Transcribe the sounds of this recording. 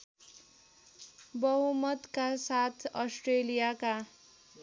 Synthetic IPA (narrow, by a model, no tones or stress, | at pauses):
bʌɦumʌt̪kasat̪ʰʌsʈrelijaka